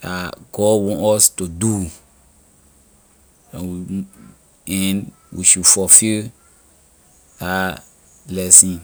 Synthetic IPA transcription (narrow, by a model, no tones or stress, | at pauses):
aɡ̥ɔwɔ̃nɔstudu | ãwi | in | wḭʃufɔfil | a | blɛsĩn